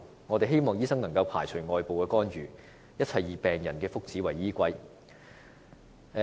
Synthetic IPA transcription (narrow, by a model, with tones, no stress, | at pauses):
ŋɔː˨˧t̪e˨jɦe˥jmɔː˨ŋjiː˥sɐ˥ŋnɐ˨˩ŋkɐ˧wpʰaː˨˩jt͡sʰɵ˨˩ɥŋɔː˨˧jpo˨wkɛː˧kɔː˥nɥyː˨ | jɐ˥t̚t͡sʰɐ˨˩jjiː˨˩pɛː˨ŋjɐ˨˩nkɛː˧fʊ˥k̚t͡siː˨˥wɐ˨˩jːiː˥kʷɐ˥j